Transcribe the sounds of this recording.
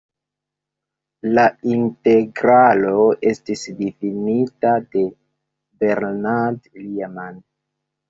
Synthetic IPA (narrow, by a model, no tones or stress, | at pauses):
lainte̞ɡɾalo̞e̞stisdifinitade̞ | beɾnadliaman